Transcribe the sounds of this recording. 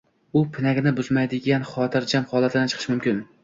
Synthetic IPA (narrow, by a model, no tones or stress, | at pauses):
ʊpʰɪnaɡʲnɪbʊzmajd̪ɪɡʲanχɒt̪ʰɪɾd͡ʒamχɒlˠat̪ʰɪd̪ant͡ʃʰɨ̥qʰɨʃmʊmkʲɪn